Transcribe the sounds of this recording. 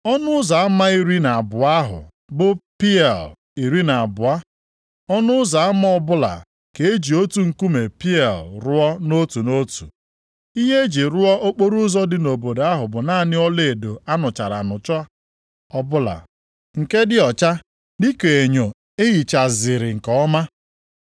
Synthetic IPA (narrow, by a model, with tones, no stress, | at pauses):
ɔ˦nʊ˦za˨a˦ma˦i˦ɾi˦na˨bʊ˨a˦ɦʊ̰˨ | bʊ˨pi˦ɛ˨l | i˨ɾi˦na˨a˨bʊ˨a˦ | ɔ˦nʊ˦za˨a˦ma˦ɔ˦bʊ˦la̰˨ | ke˨e˦d͡ʒi˨o˦tu˨ŋ̩˨ku˦me˨pi˦ɛ˨lɾʊ˦ɔ˦no˦tu˨no˦tu˨ | i˦ɦe˦e˦d͡ʒi˨ɾʊ˦ɔ˦ʔo˦k͡po˦ɾu˦zɔ˦dɪ˦no˨bo˨da˦ɦʊ˨bʊ˨naː˦˨nɪ˦ɔ˦le˨do˨a˦nʊ˨t͡ʃa˨ɾa̰˨nʊ˨t͡ʃɔ˦a˦ | ɔ˦bʊ˦la̰˨ | ŋ̩˨ke˦dɪ˦ɔ˨t͡ʃa˦ | dɪ˦ke˨e˨ɲo˨ | e˦ɣi˨t͡ʃa˨zɪ˨ɾɪ˨ŋ̩˨kɔ˨ɔ˦ma˦